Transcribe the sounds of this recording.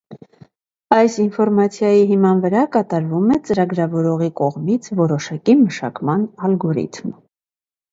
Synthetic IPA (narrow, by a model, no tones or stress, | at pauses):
ɑjsinfɔɾmɑt͡sʰjɑjiɦimɑnvəɾɑkɑt̪ɑɾvumɛt͡səɾɑɡɾɑvɔɾɔʁikɔʁmit͡sʰvɔɾɔʃɑkiməʃɑ̰kmɑnɑlɡɔɾḭt̪ʰm